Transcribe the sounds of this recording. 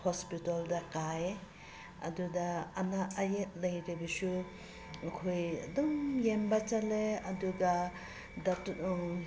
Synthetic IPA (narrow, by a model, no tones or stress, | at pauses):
hospitoldɐkaje | ɐ̰dudɐɐnaɐjet̚lɐjɾibisu | ɐkʰojɐ̰dɔmjembɐt͡ʃɐleɐduɡɐ | dɐt